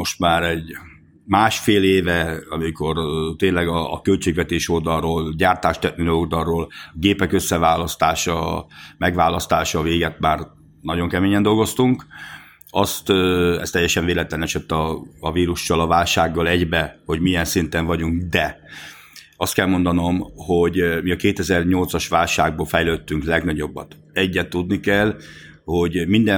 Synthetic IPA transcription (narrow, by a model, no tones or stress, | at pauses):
mo̞ʃt̪maːɾɛɟ | maːʃfeːleːvɛɒmiko̞rt̪eːnlɛɡɒːkølt͡ʃeːɡʋɛt̪eːʃo̞ld̪ɒroːlɟaːrt̪aːʃt̪ɛk̪̚nilold̪ɒrːoːlɡeːpɛkø̞sːɛvaːlɒst̪aːʃɒmɛɡʋaːlɒst̪aːʃɒveːɡɛt̪maːr | nɒɟo̞ŋkɛmeːɲɛnd̪o̞lɡo̞st̪uŋk | ɒst̪ɛ̰st̪ɛjːɛʃɛɱveːlɛt̪lɛnɛʃɛt̪ːɒːviːɾuʃt͡ʃɒlɒvaːlʃaːɡːɒlɛɟbɛho̞ɟmijɛnsint̪ɛɱvɒɟuŋkd̪ɛ | ɒst̪̚kɛlmo̞nd̪ɒno̞mho̞ɟmiɒkeːt̪ɛzɛrɲo̞lt̪sɒʃʋaːlʃaːɡ̚boːlfɛjløːt̪ːyŋklɛɡnɒɟo̞bːɒ̰t̪ | ɛɟːɛt̪ːud̪nikɛl | ho̞ɟmind̪ɛ